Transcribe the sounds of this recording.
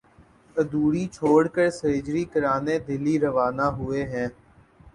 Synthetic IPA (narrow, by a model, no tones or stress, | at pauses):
əd̪uːɽiːt͡ʃʰoːɽkəɾsəeːd͡ʒɾiːkəɾaːneːd̪ɪliːɾəʋaːnaːɦʊeːɦɛ̃ː